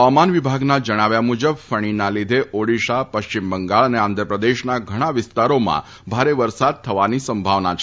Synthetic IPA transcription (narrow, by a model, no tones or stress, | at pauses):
əʋamanʋibʱaɡnad͡ʒəɽ̃aʋjamud͡ʒəbfəɳ̃inalid̪ʱeʔoɽiʃapəʃt͡ɕimbəŋɡaɭəneand̪ʱɾəpɾəd̪eʃnaɡʱəɽ̃aʋɪst̪aɾomã̰ | bʱaɾeʋəɾsad̪̚t̪ʰəʋanisəmbʱaʋnat͡ʃʰ